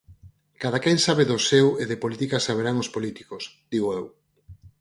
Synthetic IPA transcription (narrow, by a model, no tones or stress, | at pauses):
kað̞akɛŋsaβeðoseweðepolit̪ikasaβ̞eɾaŋospolit̪i̥kosd̪̥iɣoew